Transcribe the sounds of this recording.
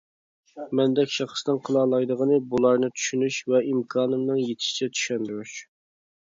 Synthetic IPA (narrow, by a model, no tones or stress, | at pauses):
mɛnd̪ɛkʲʃɑχsd̪ɨŋqʰəlˠɑːlˠɑjd̪əʁənɨbulˠɑɾnɨt̪ʰy̥ʃynyʃvɛʔimkʰɑːnɨmnɨŋjet̪ʰɪ̥ʃi̥t͡ʃʰɛt̪ʰy̥ʃɛnd̪yɾyʃ